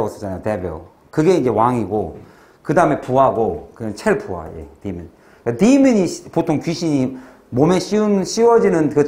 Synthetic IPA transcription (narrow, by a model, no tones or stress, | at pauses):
s͈ʰʌ̥t͡ɕanajotebjo̰ | kɯɡe̞ind͡ʑe̞waŋiɡo | kɯdaɯme̞puaɡokɯʌnt͡ɕʰeɭpʰuɦa̰jḛtimjiɲi | katimjɯɲipotʰoŋkɥiɕʰiɲi | momeɕ͈ʰiɯnɕ͈iwʌd͡ʑinɯnkɯ